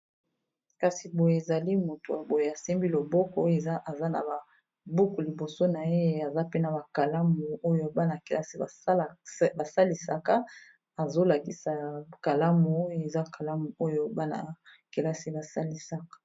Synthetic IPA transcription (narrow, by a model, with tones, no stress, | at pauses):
ka˨si˨bo˨je˨e˨za˨li˦mo˨to˨a˨bo˨je˨a˨se˦mbi˦lo˨bɔ˦kɔ˦o˦e˨za˦ʔa˨za˦na̰˨ba˨ | bu˦ku˨li˨bo˨so˦na˨e˦e˦a˨za˦pe˦na˨ba˨ka˨la˦mu˨o˦jo˦ba˦na˨ke˨la˦si˦a˨˦˨ba˨sa˦li˨sa˨ka˦ | a˨zo˦la˨ki˨sa˨ka˨la˦mu˨o˦jo˦e˨za˦ka˨la˦mu˨o˦jo˦ba˦na̰˨ke˨la˦si˦ba˨sa˦li˦sa˦kḁ˨˦